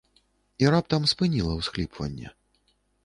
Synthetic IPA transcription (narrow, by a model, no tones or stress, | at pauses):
iɾap̚t̪ɐmspɨnʲilˠɐwsklʲipvɐ̰nʲːɛ̰